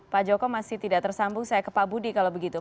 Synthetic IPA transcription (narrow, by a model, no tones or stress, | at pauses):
pad͡ʒɔkɔmasɪht̪idaʔt̪ərsambʊŋsajakəpabudikalabəɡit̪u